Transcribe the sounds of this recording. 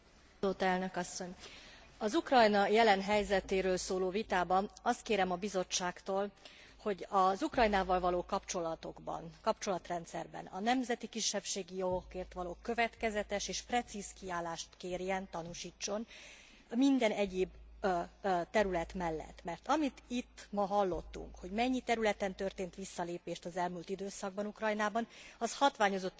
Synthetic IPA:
oːt̪ɛlnø̞kɒsːo̞ɲ | ɒzukrɒjnɒjɛlɛnɦɛjzɛt̪eːɾøːlsoːloːvit̪aːbɒnɒst̪̚keːɾɛmɒbizo̞t͡ʃːaːkt̪oːl | ho̞ɟɒzukrɒjnaːvɒlvɒloːkɒpt͡ʃo̞lɒt̪o̞ɡbɒ̰nkɒp̚t͡ʃo̞lɒt̪rɛnt̪sɛrbɛ̰nɒ̰nɛmzɛt̪ikiʃːɛpʃeːɡijoɡokeːrt̪ʋɒloːkø̞vɛt̪kɛzɛt̪ɛʃeːʃprɛt̪siːskiaːlːaːʃt̪keːrjɛnt̪ɒnuʃiːt͡ʃːo̞n | mind̪ɛnɛɟeːb | t̪ɛɾylɛt̪mɛlːɛ̰t̪ːmɛrt̪ɒmit̪it̪ːmɒɦɒlːo̞t̪ːṵŋkho̞ɟmɛɲːit̪ɛɾylɛt̪ɛnt̪ø̞rt̪eːnt̪ʋisːɒleːpeːʃt̪ɒzɛlmult̪id̪øːsɒɡ̚bɒnukrɒjnaːbɒnɒshɒt̪ʋaːɲo̞zo̞t̪ː

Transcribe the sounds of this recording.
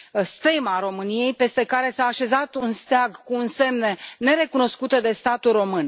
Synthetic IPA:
st̪ejmaɾo̞mɨnije̞jpe̞st̪e̞kaɾe̞saːʃe̞zat̪unst̪aɡkuːnse̞mnene̞ɾe̞kuno̞skut̪əd̪e̞st̪at̪ulro̞mɨn

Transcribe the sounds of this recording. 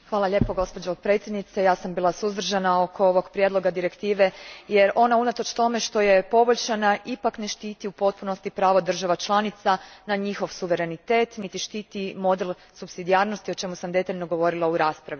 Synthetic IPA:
xʋaːlˠaʎe̞ːpoɡo̞spo̞d͡ʒopɾe̞ːt̪sjed̪nit̪sejaːsambiːlˠasuzd̪r̩ʒanao̞kʰo̞oʋo̞ɡpɾje̞d̪lˠo̞ɡad̪iɾekt̪iːʋe̞je̞ɾo̞naunat̪o̞t͡ʃt̪o̞me̞ʃt̪o̞je̞po̞boʎʲt͡ʃanaʔipakne̞ʃt̪iːt̪iupo̞t̪̚puno̞st̪ipɾaːʋod̪r̩ʒaʋat͡ʃlˠanit̪sanaɲixo̞ʋsuʋe̞ɾe̞nit̪e̞ːt̪nit̪iʃt̪iːt̪imo̞d̪el | supsid̪iaːɾno̞st̪io̞t͡ʃe̞musamd̪e̞t̪aʎno̞ɡo̞ʋo̞ɾilˠauɾaːspɾaʋi

